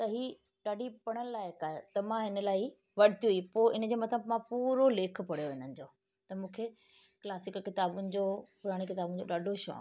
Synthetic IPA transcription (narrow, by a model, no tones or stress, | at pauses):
t̪ɐɦiː | ɗaːɖipɐɽ̃ənɪlaːɪkaːet̪ɐmãɦɪnə̆laːi | ʋɐɽɪt̪ijuipoːɪnə̆d͡ʑeːmɐt̪ʰəbmãpuːɾoleːk̆ʰpɐɽ̤joʋɪɲənɪ̆d͡ʑoː | t̪ɐmũːkʰe | klaːsɪkːɪt̪aːbʊnɪ̆d͡ʑoːpʊɾaːɽ̃ikɪt̪aːbʊnɪ̆d͡ʑoɗaːɖʱoʃɔ̰ː